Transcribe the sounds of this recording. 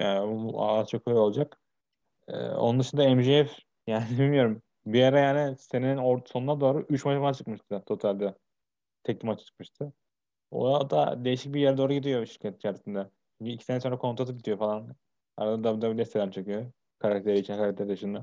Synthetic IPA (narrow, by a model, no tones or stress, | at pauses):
jaːnṵazt͡ʃʰokʰøjo̞lˠd͡ʒak | ɯ̰ːo̰nund̪ɯʃɯnd̪aɛmʒeɛf | jaːnid̪ilmijo̞ɾum | bijaɾajaːnise̞niinoɾso̞nunad̪o̞ːɾuʔyt͡ʃmaʃamat͡ʃʰɯ̥kmɯʃt̪ʰɯt̪ʰo̞t̪ʰalʲd̪ɛ | t̪ʰɛc̚t̪ʲimat͡ʃʰɯ̥t͡ʃʰɯ̥kmɯʃt̪ʰɯ | o̰d̪a̰d̪e̞jiʃic̚biɾjæɾd̪o̞ːɾuɟid̪ijo̞ʃiɾcʰat̪t͡ʃʰaɾt̪ind̪ɛ | t͡ʃʰyɲcyːcʰisenɛso̞nɾakʰo̞nt̪ɾat̪ɯp̚ɟit̪ijo̞falˠan | a̰ɾad̪ad̪abd̪abid̪ɛst̪ʰːelæmt͡ʃʰɯkɯjo | kʰaɾak̚t̪ʰe̞ɾit͡ʃʰinkʰaɾakt̪ʰeɾid̪ɯʃɯnd̪a